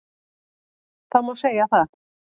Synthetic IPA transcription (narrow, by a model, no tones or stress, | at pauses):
θaðmɔseːjaθað